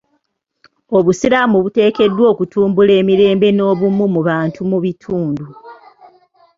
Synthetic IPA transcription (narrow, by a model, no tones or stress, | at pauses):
o̞βusilamuβute̞ːke̞dːwo̞ːkutʰuːmbule̞ːmiɾe̞ːmbe̞no̞ːβumumuβaːntʰumuβitʰuːndu